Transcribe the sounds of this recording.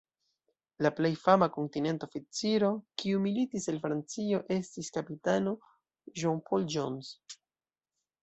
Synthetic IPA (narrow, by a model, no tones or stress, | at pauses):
laple̞jfamako̞ntine̞ntofit͡siɾo̞kiumilitiselfɾant͡sio̞ʔe̞stiskapitano | ʒonpʰold͡ʒons